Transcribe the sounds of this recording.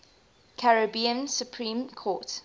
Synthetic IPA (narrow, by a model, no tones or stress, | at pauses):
kʰaɹəbiə̃nsupʰɹĩːmkʰɔːˑt